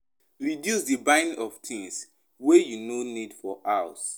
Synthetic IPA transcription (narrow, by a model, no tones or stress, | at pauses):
ɹidjusdibãɪ̃nɔvtʰĩŋs | wejunonidfɔʔas